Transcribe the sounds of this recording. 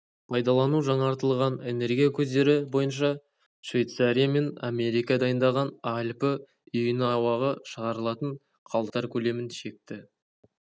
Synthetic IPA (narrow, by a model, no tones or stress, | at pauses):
pʰɑjd̪ɑlˠɑnuʒɑɴɑɾt̪əlˠʁɑne̞ne̞ɾɡʲijakʲʰɵzd̪e̞ɾɪbo̞jənʃ̬ɑ | ʃvʲejt̪saɾijame̞name̞ɾijkad̪ɑjənd̪ɑʁɑnɑlʲpə | ʏjɪnɪɑwɑʁəʃəʁɑɾəlˠɑt̪əɴ | qʰɑlˠt̪ɑɾkʲʰɵle̞mɪnʃe̞k̚t̪ɪ